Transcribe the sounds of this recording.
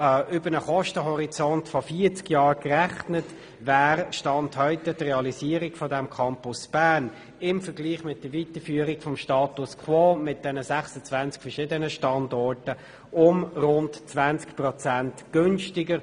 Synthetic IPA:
ʔʏbənəχɔʃtəɦɔʁit͡sɔntfɔfiət͡skjɑːɾkræχnət | væːɾʃtɑnthœʏtɛtreɑlisiːəɾiɡfɔdɛmkʰɑmpʊsb̥æːn | ɪmfəɡliːχmɪt̚d̥əvitəfyːəɾiɡfɔmʃtɑːtuskʰwɔːmɪt̚d̥ɛnəsæχsət͡svænt͡skfəʃɪdənəʃtɑndɔɹtə | ʊmrʊntt͡sʋænt͡skpʁɔt͡sæntɡ̥ønʃtɪɡəɾ

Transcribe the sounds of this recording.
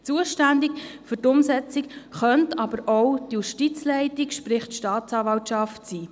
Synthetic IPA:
t͡suəʃtændikfytʊmsɛt͡sikχœntɑb̥əɾɔwdjuʃtit͡slɛɪtɪkʃpɾɪχtʃtɑːtt͡sɑːvɑwtʃɑftsiː

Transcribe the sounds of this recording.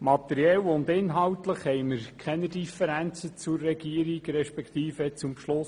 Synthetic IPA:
mɑt̪ɛɾjɛlʊnd̪ɪnɦɑwt̪ləχhɛjməɾkʰχɛnədifəɾænt͡sət͡sʊrːɛɡ̥iəɾiɡɾɛʃpɛkt̪iːfət͡sʊmpʃlʊs

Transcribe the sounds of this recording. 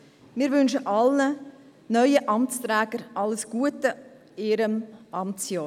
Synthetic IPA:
mɪːɾʋʏnʃəʔɑlə | nœʏəʔɑmt͡stɾɛːɡ̥əɾʔɑləsɡ̥uətə | iːɾəmʔɑmt͡sjɑː

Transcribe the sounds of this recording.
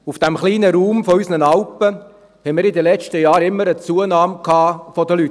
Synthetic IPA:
ufd̥æmχliːnəɾuːmfɔysnənɑlpə | hɛmɪːɾidəlɛt͡ʃtəjɑːɾɪmːəɾət͡suːənɑːmkʰɑːfɔdəlyt

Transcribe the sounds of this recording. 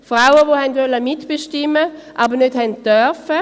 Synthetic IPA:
fʁawəvohɛndʋɛlːəmɪtb̥əʃtɪmːəʔɑbənød̥hɛndd̥œɐfə

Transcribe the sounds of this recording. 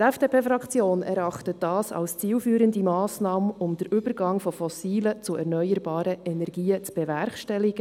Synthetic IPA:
tɛfd̥eːpʰeːfɾɑkt͡sjoːnɛɾɑχtət̚dɑːsɑ̰lst͡siːlfyːɾəndimɑːsnɑːməʊmd̥əɾʏb̥əɾɡɑŋfɔfɔsiːlət͡sʊʔɛ̰ɾnœʏəɾbɑːɾəʔɛnɛɾɡiːət͡sb̥ɛvɛɾχʃtɛliɡə

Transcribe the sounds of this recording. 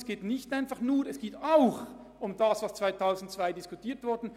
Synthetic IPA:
sɡ̥eːtnɪçtaɪnfɑχnuːɾɛsɡ̥eːtaʊx | ʊmdɑːsvaːst͡sv̥aɪtʰaʊzn̩tt͡sv̥aɪdɪskʊtʰiːɐtv̥ʊʁdn̩

